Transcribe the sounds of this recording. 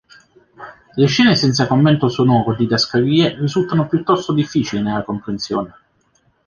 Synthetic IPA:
leʃːɛːnesɛnt̪sakomːɛnt̪osonɔːvod̪id̪askaviːerizult̪anopjut̪ːɔst̪od̪ifːiːt͡ʃilinelːakompɾensjoːne

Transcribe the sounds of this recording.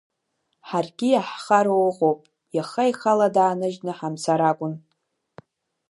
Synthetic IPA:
ħarɡʲijaħχaɾowʁowpʼ | jaχaiχaladaːnɨʒnɨħamsaɾakʷʼʊn

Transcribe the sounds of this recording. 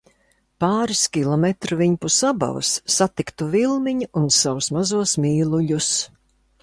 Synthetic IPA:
paːɾiskʲilˠɔmɛt̪ɾuviɲpusaba̰v̰sːat̪ikt̪uvilˠmiɲiʔunsawusmazuɔsmʲiːlˠuʎus

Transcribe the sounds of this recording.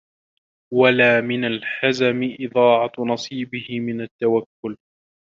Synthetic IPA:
walaːmɪnalħazamɪʔɪðˤɑːʕɑnɑsˤiːbɪhɪmɪnat̪ːawakːʊl

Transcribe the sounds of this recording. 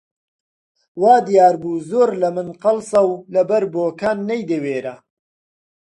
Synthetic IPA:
waːd̪ijaːɾbuːzoːɾlɐmɨnqɨlsɐwlɐbɐɾboːkʰaːnːɐjd̪eweːɾɐ

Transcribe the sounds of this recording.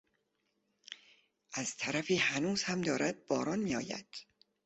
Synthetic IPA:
ʔæz̥t̪ʰæɾæfiːhænuːz̥hæmd̪ɒːɾæd̪̚b̥ɒːɾɒːnmiːɒ̰ːjæ̰d̪̥

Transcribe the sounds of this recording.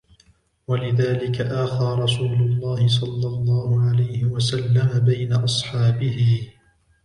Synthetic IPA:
walɪðaːlɪkaʔaːxɑɾɾˤɑsuːlʊlˤːɑːhɪs̬ˤɑlːɑlˤːɑːhʊʕalajhɪwasalːamabajnaʔɑsˤħɑːbɪhɪ

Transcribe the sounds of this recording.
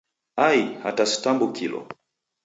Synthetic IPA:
aiha̰tasi̥tambukilɔ̰

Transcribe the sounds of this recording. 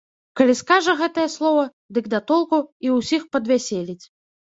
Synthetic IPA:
kɐlʲiskaʐɐɣɛt̪ɐjɐslˠɔvɐ | d̪ɨɡd̪at̪ɔlˠkuiwsʲixpɐd̪vʲasʲelʲit͡sʲ

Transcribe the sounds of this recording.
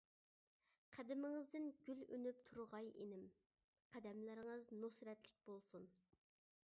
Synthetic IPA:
qʰæd̪ɪmɪŋɪzd̪ɪnɡʲylønypt̪ʰuɾʁɑjenɪm | qʰæd̪ɛmlɪɾɪŋəznosɾɛt̪lɪk̚ʲb̥olˠsun

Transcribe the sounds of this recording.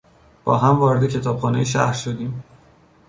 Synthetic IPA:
b̥ɒ̰ːɦæmvɒːɾed̪ecʰe̞t̪ʰɒːb̥xɒːne̞jeʃæ̰hɾʃod̪iːm

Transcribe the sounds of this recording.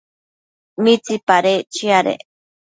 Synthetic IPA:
mit͡sipaɾet͡ʃiaɾḛ

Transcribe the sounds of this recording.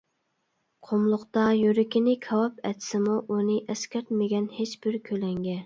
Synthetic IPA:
qʰomlˠʊqt̪ɑjyɾɪkʲinɪkʲʰɑwɑpɛ̰t̪ʰsɪmuʔunɨʔɛskʲʰæɾt̪mɪɡʲɛnhet͡ʃb̥ɪɾkʲʰølɛŋɡʲɛ

